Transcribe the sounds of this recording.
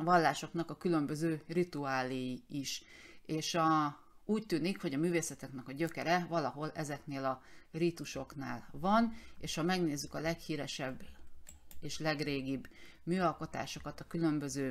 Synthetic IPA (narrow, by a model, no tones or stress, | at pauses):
vɒlːaːʃo̞knɒkɒkylø̞mbø̞zøːrit̪uaːlejiiʃ | eːʃɒ | uːc̚t̪yːnikho̞ɟɒmyːveːsɛt̪ɛkn̪ɛkɒɟø̞kɛɾɛvɒlɒɦo̞lɛzɛkneːlɒrit̪uʃo̞knaːlvɒneːʃhɒmɛɡneːzːykɒlɛkhiːɾɛʃɛbː | eːʃlɛɡreːɡibː | myːɒlko̞t̪a̰ːʃo̞kɒt̪ɒkylø̞mbøzøː